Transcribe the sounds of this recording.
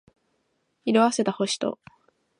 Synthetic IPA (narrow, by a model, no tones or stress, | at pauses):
iɾoβase̞t̪aho̞ɕi̥t̪o̞̰